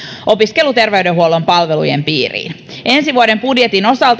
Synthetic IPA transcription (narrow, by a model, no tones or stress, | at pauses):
ʔo̞piskelut̪erʋeydeɦuolompɑlʋelṵjḛmpiːrḭːn | ensiʋuodempudjet̪ino̞sɑlt̪